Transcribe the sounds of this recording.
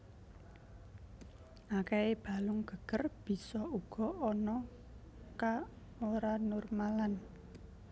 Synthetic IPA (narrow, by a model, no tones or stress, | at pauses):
ʔakeeb̥a̤lʊŋɡ̥ə̤ɡ̥ərb̥i̤sɔuɡ̥ɔ̤ɔnɔ | ka | oɾanʊrmalan